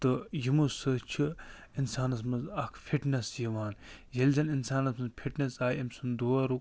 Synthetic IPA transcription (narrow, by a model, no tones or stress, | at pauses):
t̪ɨjimusɨt͡ʃʰɨ | insaːnɐsmɐnzɐkʰfʰiʈnɐsjiʋaːnjɐlʲzɐninsaːnɐsmɐnzpʰiʈnɐsaːjemsund̪oːɐɾuk